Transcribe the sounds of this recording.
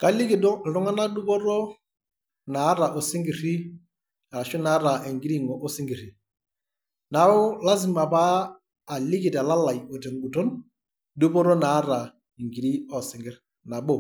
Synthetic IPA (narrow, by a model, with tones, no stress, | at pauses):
ka˦li˦kɪ˨dɔ˦˨lʊ˦ŋa˦na˦du˦po˦ɾo˦ | na˨˦ɾa˨ʔo˨sɪ˦ŋɡi˨ri˦ | a˨a˨ʃʊ˦na˨˦ɾa˨e˨ŋɡi˦ɾi˦ŋɔ˨ʔo˦sɪ˦ŋɡi˨ɾi˨ | na˨˦ʊ˦la˦s̬ɪ˦ma˨paː˦˨ | lɪ˦kɪ˨ta˨la˦la˨jɔ˨te˨ŋɡu˨to˦n | du˦po˦ɾo˦na˨˦ɾa˨ | i˨ŋɡi˨ɾi˦ɔ˨sɪ˨ŋɡɪ˦ɾ | na˨bo˦˨